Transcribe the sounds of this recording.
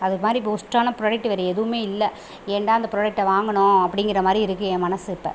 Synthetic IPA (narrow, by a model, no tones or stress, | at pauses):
ɐðɯkːɯmaːd̪ɾip̬ːɐʊsʈɾaːnɐpɪɾoːɽɐk̚ʈːɯʋɐɾɛɛðɯʋɯmeːɪlːɛ | ɛɳɖaːɐnd̪ɐpɪɾoːɽɐk̚ʈːɐʋaːŋɡɐɳʊ̃ɐpːɐɽɪŋɡɪɾɐmaːd̪ɾiɪɾɯkːɯẽːmɐnɐsɪpːɐ̰